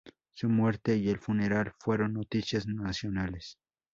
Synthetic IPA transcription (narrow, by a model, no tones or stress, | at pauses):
sumwe̞ɾt̪e̞ielfune̞ɾalfwe̞ɾo̞nːot̪isjaznasjo̞nales